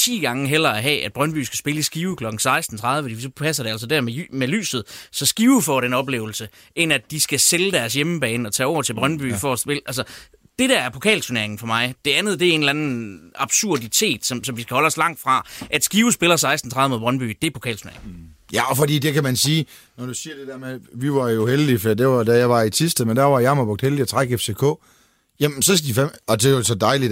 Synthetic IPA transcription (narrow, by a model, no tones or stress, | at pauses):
t͡sʰḭːɡ̥ɑ̈ŋəɦel̰ɐæɦɛ̰ːæd̥̚b̥ʁɶnb̥y̰ːsɡ̥æsb̥e̝ləsɡ̥iːʊkʰlɒ̽ɡ̥n̩sɑ̈ɪsd̥n̩t͡sʰʁɑ̈ðˠəfɒd̥isɒ̽pʰæsɐd̥e̝æls̬ɒd̥æɐmeymely̰ːsð̞̩ˠsɒ̽sɡ̥iːʊfɒ̰ɾ̥enɒ̽b̥le̝̰ːʊl̩sə | ʔe̝næd̥isɡ̥æseləd̥æɐsjeməb̥ɛːnɒ̽t͡sʰɛ̰ːɒʊ̰ɐt͡sʰelb̥ʁɶnb̥y̰ːfɒsb̥elʔælsə | d̥e̝ɾ̥æɐæɐpʰo̝kʰɛ̰ːlt͡sʰune̝ɐe̝ŋn̩fɒ̽mɑ̈ɪd̥e̝ænð̞̩ˠd̥e̝æe̝ːnlænn̩ɑ̈b̥suɐdit͡sʰe̝̰ːd̥sɒ̽msɒ̽mʋisɡ̥æhɒ̽lɒ̽slɑ̈ŋ̰d̥fʁɑ̈ʔæd̥sɡ̥iːʊsb̥e̝lɐsɑ̈ɪsd̥n̩t͡sʰʁɑðˠmo̝ðˠb̥ʁɶnb̥y̰ːd̥e̝ɐpʰo̝̥kʰɛ̰ːlt͡sʰunḛɐḛŋ̩jæɒfɒd̥ḭːd̥e̝kʰæmænsiː | nɒd̥usiːɐd̥e̝d̥eɐmeðˠʋiʋɑ̈jo̝held̥ifɒdḭd̥e̝ʋɑ̈d̥æjɑ̈ɪʋɑ̈isʰisd̥əmend̥æɐʋɑ̈jɑmɐb̥ɔ̽ɡ̥̚d̥heldiɒt͡sʰʁɑ̈ɡ̥efse̝kʰɔ̰ː | jæmsɒ̽sɡ̥̚d̥ifemɒ̽d̥e̝osɒ̽d̥ɑ̈ɪlid̥